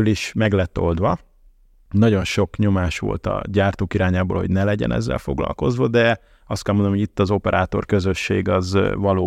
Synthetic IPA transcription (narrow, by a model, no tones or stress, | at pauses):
liʃmɛɡlɛt̪ːo̞ld̪ʋɒ | nɒɟo̞nʃo̞kɲo̞maːʃʋo̰lt̪ɒ̰ɟaːrt̪oːkiɾaːɲaːbo̰ːlho̞̰ɟnɛlɛɟɛ̰nɛ̰zːɛ̰lfo̞ɡlɒ̰lko̞zʋɒd̪ɛ | ɒst̪̚kɛlmond̪nmoɟit̪ːɒzo̞pɛɾʔaːt̪o̞̰rkøzøʃːeːɡɒzvɒloː